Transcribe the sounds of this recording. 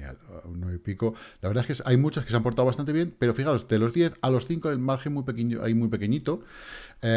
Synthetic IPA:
a̰lunːweβipikolaβeɾðaeskesajmut͡ʃoskes̬eampo̞ɾt̪awβast̪ant̪eje̞npe̞ɾo̞fixao̞zd̪e̞lo̞zðje̞θalo̞sθiŋkoelmaɾxenmuijpekeɲoʔa̰jmujpe̞keɲit̪o̞e

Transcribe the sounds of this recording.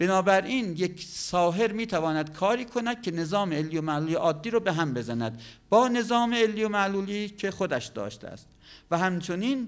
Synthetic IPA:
b̥e̞nɒːbæɾʔiːnjekʰsɒːɦe̞ɾmiːt̪ʰævɒːnæd̪̥̚kʰɒːɾiːkʰonæd̪̥̚cʰe̞ne̞zɒːmeelːijomæluːljeʔɒːd̪ːiːɾoːbeɦæmbe̞zænæd̪b̥ɒːne̞zɒːmeelːiːomæʔluːliːcʰe̞xod̪æʃd̪ɒ̰ːʃt̪ḛæ̰st̪̚væɦæmt͡ʃʰo̞niːn

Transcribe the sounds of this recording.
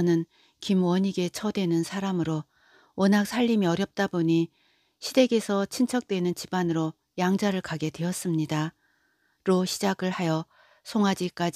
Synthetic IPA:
ʌnɯn | kimwʌɲiɡe̞t͡ɕʰʌdwe̞nɯnsʰaɾamɯɾo | ʌnak̚sʰaʎːimiʌɾjʌp̚t͈aboɲi | ɕʰide̞ɡe̞sʰʌt͡ɕʰint͡ɕʰʌk̚t͈wenɯnt͡ɕibanɯɾo | jaŋd͡ʑaɾɯɭkaɡe̞dwe̞ʌs͈ɯmɲida | ɾoɕʰid͡ʑaɡɯɭhajʌ | sʰoŋɦad͡ʑik͈ad͡ʑ

